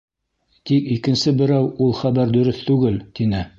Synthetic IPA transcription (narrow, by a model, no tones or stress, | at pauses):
t̪ikikɘ̆nsɘbɘ̆ɾæwulˠχæβæɾd̪ɵ̆ɾɘθt̪ʉɡɘlt̪inɘ